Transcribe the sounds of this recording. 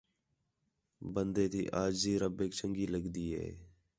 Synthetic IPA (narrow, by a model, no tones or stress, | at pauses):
bənd̪eːt̪ʰḭːʔaːd͡ʒziːɾəbeːkt͡ʃəŋɡiːləɡd̪iːɦḛː